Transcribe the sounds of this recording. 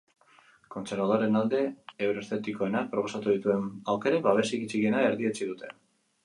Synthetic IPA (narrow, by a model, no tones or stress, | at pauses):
ko̞nt͡se̞ɾβað̞oɾe̞nald̪e̞ːwɾoe̞st̪e̞t̪iko̞e̞nak̚pɾo̞po̞sat̪uð̞it̪ue̞nawke̞ɾeβaβ̞e̞sikit͡siɣie̞nae̞ɾðie̞t͡siðut̪ʰe̞